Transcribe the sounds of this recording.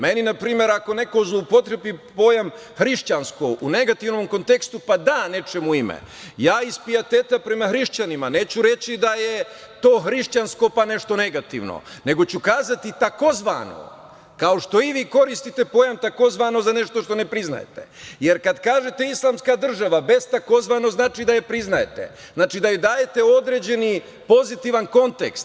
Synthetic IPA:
me̞ninapɾiːmje̞ɾako̞ne̞ko̞zlˠoupo̞t̪ɾepipo̞ːjam | xɾiʃt͡ɕanskoʔune̞ɡat̪iʋno̞mko̞nt̪e̞kst̪upad̪aːne̞t͡ʃemuimḛ | jaːispiat̪eːt̪apɾe̞maxɾiʃt͡ɕanimane̞ːt͡ɕuɾe̞t͡ɕid̪aje̞ | t̪o̞ːxɾiʃt͡ɕansko̞pane̞ʃt̪o̞ne̞ɡat̪ḭʋno̰ne̞ɡo̞t͡ɕukaːzat̪it̪ako̞zʋa̰no̰ | kao̞ʃt̪o̞iʋiːko̞ɾist̪it̪e̞po̞jamt̪ako̞zʋaːno̞zane̞ʃt̪o̞ʃt̪o̞nepɾizna̰jet̪ḛje̞ɾkad̪kaːʒe̞t̪e̞islˠaːmskad̪r̩ʒaʋabe̞zt̪ako̞zʋano̞znaːt͡ʃid̪ajepɾiznajet̪ḛ | znaːt͡ʃid̪ajed̪aːje̞t̪e̞o̞d̪ɾe̞ːd͡ʑe̞ni | po̞zit̪iʋanko̞nt̪ḛkst̪

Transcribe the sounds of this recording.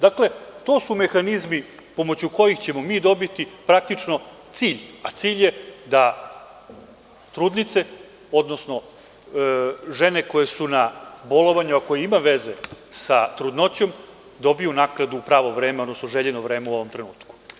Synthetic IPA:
d̪akle̞t̪o̞ːsume̞xanizmi | po̞mot͡ɕuko̞jixt͡ɕe̞mo̞miːd̪o̞bit̪ipɾak̚t̪it͡ʂno̞t̪siːʎat̪siːʎje̞d̪a | t̪ɾuːd̪nit̪se̞ | o̞d̪no̞sno̞ | ʒe̞ne̞ko̞jesunabo̞lo̞ʋaɲuako̞jeimaʋe̞ze̞sat̪ɾud̪no̞t͡ɕo̞m | d̪o̞bijunaːkɾad̪uːpɾaːʋo̞ʋɾeːmeod̪no̞snoʒeʎenoʋɾe̞ːmeuo̞ʋo̞mt̪ɾe̞nuːt̪ku̥

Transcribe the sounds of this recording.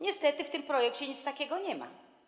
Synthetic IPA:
ɲɛst̪ɛt̪ɘft̪ɘmpɾɔjɛkt͡ɕɛɲit̪st̪akʲɛɡɔɲɛma̰

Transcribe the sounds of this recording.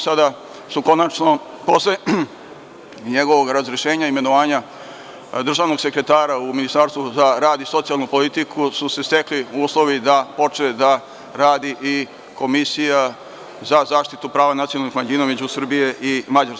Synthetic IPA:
sad̪a | suko̞nat͡ʃno̞ | po̞sle | ɲeɡo̞ʋo̞ɡɾazɾeʃe̞ːɲaime̞noʋaːɲa | d̪r̩ʒaːʋno̞ɡse̞kɾe̞t̪aːɾauminist̪aɾst̪ʋuzaɾaːd̪isot̪sijalˠnupo̞lit̪ikʰususe̞st̪e̞kliuːslˠo̞ʋid̪apo̞t͡ʃed̪a | ɾaːd̪iʔi | kʰo̞misija | zazaːʃt̪it̪upɾaːʋanat̪sionlnixmaʎiːnaumed͡ʑusr̩bije̞ʔimad͡ʑaɾs

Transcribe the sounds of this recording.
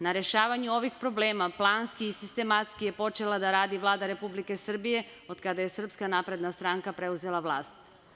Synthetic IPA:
naɾe̞ʃaːʋaɲuo̞ʋixpɾo̞bleːmaplˠaːnskiːsist̪e̞mat̪skije̞po̞t͡ʃe̞lˠad̪aɾaːd̪iʋlˠaːd̪aɾe̞publike̞sr̩bije̞ | o̞d̪kad̪aje̞sr̩pskanapɾe̞d̪nast̪ɾaːŋkapɾe̞uze̞lˠaʋlˠa̰ːst̪

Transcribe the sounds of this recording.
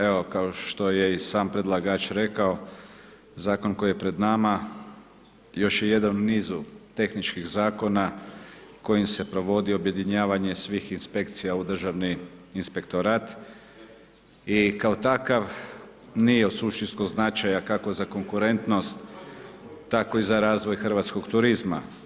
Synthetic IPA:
eo̞kaoʃt̪o̞je̞isaːmpɾed̪lˠaɡat͡ʃɾe̞kao̞ | zaːko̞nko̞jijepɾe̞d̪nama | jo̞ʃje̞je̞d̪anniːzut̪e̞xnit͡ʃkiɣzaːko̞na | ko̞jimse̞pɾo̞ʋo̞d̪io̞bje̞d̪iɲaːʋaɲe̞sʋixinspe̞kt̪sijaud̪r̩ʒaʋniːnspe̞kt̪o̞ɾaːt̪ | ikaot̪akaʋ | nijeusuʃt̪inst̪koznat͡ʃajakako̞zako̞ŋkuɾe̞nt̪no̞st̪ː | ako̞izaɾaːzʋo̞jxr̩ʋaːt̪sko̞ɡt̪uɾizma̰

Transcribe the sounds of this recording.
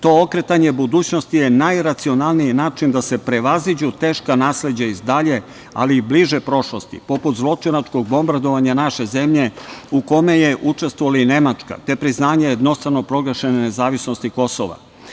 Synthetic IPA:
t̪o̞okɾe̞t̪aɲe̞bud̪uːt͡ɕno̞st̪ijenajɾat̪sio̞nalˠnijinaːt͡ʃind̪ase̞pɾe̞ʋazid͡ʑut̪e̞ːʃkanaːsle̞d͡ʑaizd̪aʎe̞ | a̰liːbliʒepɾo̞ʃlo̞st̪ḭpo̞put̪zlˠo̞t͡ʂinat͡ʂko̞ɡ̚bo̞mbaɾd̪o̞ʋaɲanaʃe̞ze̞mʎe̞uko̞me̞je̞ʔut͡ʂe̞st̪ʋoalaine̞mat͡ʂka̰t̪e̞pɾiznaːɲajed̪no̞st̪ɾano̞pɾo̞ɡɾeʃenene̞zaːʋisno̞st̪iko̞so̰ʋa̰

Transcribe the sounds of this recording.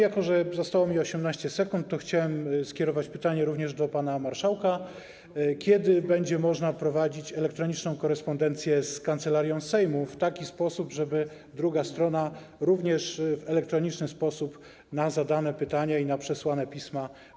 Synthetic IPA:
jakɔʐɛzast̪awɔmʲiɔɕɛmnaɕt͡ɕɛsɛkunt̪ːɔxt͡ɕawɛmskʲjɛɾɔvat͡ɕpɘt̪aɲɛɾuvɲɛʐd̪ɔpanamaɾʂawka | kʲɛd̪ɘbɛɲd͡ʑɛmɔʐnapɾɔvad͡ʑit͡ɕɛlɛk̚t̪ɾɔɲit͡ʂnɔ̃w̃kɔɾɛspɔnd̪ɛnt̪sʲjɛskant̪sɛlaɾʲjɔ̃w̃sɛjmuft̪akʲispɔsubʐɛbɘ | d̪ɾuɡast̪ɾɔna | ɾuvɲɛʂvɛlɛk̚t̪ɾɔɲit͡ʂnɘspɔsup | nazad̪anɛpɘt̪aɲainapʂɛswanɛpʲisma

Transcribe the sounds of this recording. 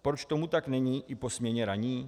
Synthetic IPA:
pɾɔt͡ʃt̪ɔmut̪aɡnɛɲiːʔipɔsmɲɛɲɛɾaɲiː

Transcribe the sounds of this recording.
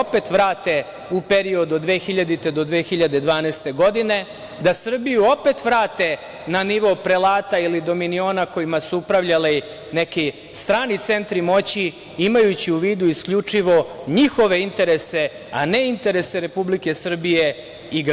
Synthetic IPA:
ope̞t̪ʋɾaːt̪e | upe̞ɾio̞d̪od̪ʋeːxiʎad̪it̪e̞d̪o̞d̪ʋeːxiʎad̪e̞d̪ʋaːnɛːst̪e̞ɡo̞d̪ine̞ | d̪asr̩bijuope̞t̪ʋɾaːt̪e̞ | naniʋo̞pɾe̞laːt̪ailid̪o̞minio̞nako̞jimasuupɾaʋʎali | neki | st̪ɾaːnit̪se̞nt̪ɾimo̞t͡ɕi | imajut͡ɕiuʋiːd̪uiskʎut͡ʂiʋo̞ɲixo̞ʋe̞int̪e̞ɾe̞se̞ | ane̞int̪e̞ɾe̞seɾe̞publike̞sr̩bije | iɡ

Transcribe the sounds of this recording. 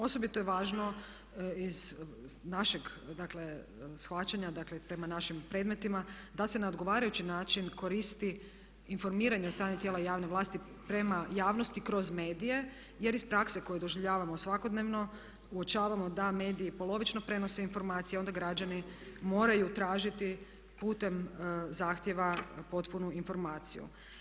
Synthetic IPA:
o̞sobit̪ojeʋaːʒno̞ | iz | naʃeɡd̪akle̞ | sxʋat͡ɕaɲad̪aklepɾe̞manaʃimpɾe̞d̪me̞t̪imad̪ase̞naod̪ɡo̞ʋaːɾajut͡ɕinaːt͡ʃinko̞ɾist̪i | info̞ɾmiːɾaɲeost̪ɾaːɲit̪jelajaːʋneʋlˠaːst̪i | pɾe̞majaːʋno̞st̪ikɾo̞zme̞ːd̪ije̞ | je̞ɾispɾakseko̞jed̪o̞ʒiʋʎaːʋamo̞sʋako̞d̪ne̞ʋno̞ | uo̞t͡ʃaːʋamo̞d̪ame̞ːd̪iipo̞lo̞ʋit͡ʃno̞pɾe̞no̞se̞info̞ɾmaːt̪sijeo̞nd̪aɡɾad͡ʑanimo̞ːɾajut̪ɾaːʒit̪i | puːt̪e̞mzaːxt̪je̞ʋapo̞t̪punuinfo̞ɾmaːt̪sḭjṵ

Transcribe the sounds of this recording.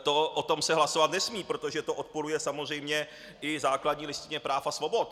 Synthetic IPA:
t̪o̞ʔot̪o̞msɛɦlaso̞vat̪nɛsmiːpɾo̞t̪o̞ʒɛt̪oʔot̪̚poɾujɛsamo̞zr̝ɛjmɲɛ | ʔɪzaːkladɲiːlɪst̪ɪɲɛpɾaːfasvo̞bo̞t̪̚

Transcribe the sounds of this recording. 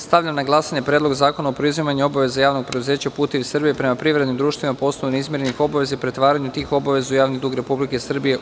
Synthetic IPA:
st̪aʋʎʲamnaɡlˠasaɲe̞pɾʲjed̪lo̞ɡzaːkonaopɾoizʋimaɲuo̞baʋe̞zajaːʋno̞ɡ̚pɾed̪uze̞ːt͡ɕapuːt̪eʋisr̩bijepɾe̞mapɾiʋɾed̪nimd̪ɾuːʃt̪ʋimapo̞snojunizmʲjeɾenixo̞baʋe̞zaipɾe̞t̪ʋaːɾaɲut̪iːxo̞baʋe̞zujaːʋnid̪uːɡɾe̞publike̞sr̩bije

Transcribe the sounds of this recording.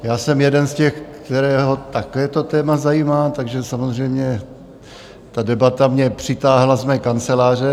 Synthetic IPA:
jaːsɛmjɛdɛnscɛxkt̪ɛɾɛːɦo̞t̪akɛːt̪o̞t̪ɛːmazajiːmaːt̪aɡʒɛsamozr̝ɛjmɲɛ | t̪adɛbat̪amɲɛpr̝̥ɪt̪aːɦlazmɛːkant͡sɛlaːr̝ɛ

